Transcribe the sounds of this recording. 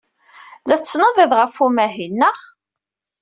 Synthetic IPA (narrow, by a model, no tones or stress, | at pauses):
læt͡sːnəðˤɪðʁəfumæɦinːəʁ